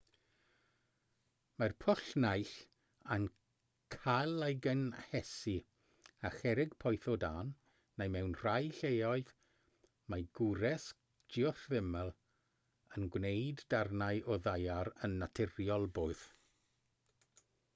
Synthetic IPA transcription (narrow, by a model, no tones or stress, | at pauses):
marpʰʊɬnajɬ | an | kʰalˠajɡənhɛsi | aχɛɾɪɡ̚pʰɔjθɔdaːnː | ejmɛwnr̥ajɬejɔɨð | maɡʊɾɛs | d͡ʒɪɔθvɪmɛlˠ | ənɡwnejdːarnajʔɔðajaɾənːatʰɪrjɔlˠboːɨð̥